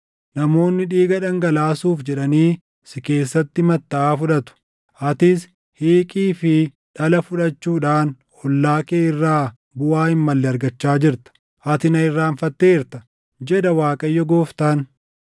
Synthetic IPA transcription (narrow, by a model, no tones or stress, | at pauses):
nɐmo̞ːnːɪᶑiːɡɐᶑɐŋɡɐlaːsuːfd͡ʒɛᶑɐniː | sɪke̞ːsːɐt̪ːɪmɐt̪ːɐʔaːfʊᶑɐt̪ʊ̥ | ʔɐt̪ɪs | hiːkʼiːfɪ | ᶑɐlɐfʊᶑɐt͡ʃːuːᶑaːn | ɔlːaːkeːɪrːaː | bʊaːhɪmːɐlːɛɐɾɡɐt͡ʃːaːd͡ʒɪɾt̪ɐ̥ | ʔɐt̪ɪnɐɪrːaːnfɐt̪ːeːɪɾt̪ɐ | d͡ʒɛᶑ̪ɐwaːkʼɐjːɔɡoːft̪ɐn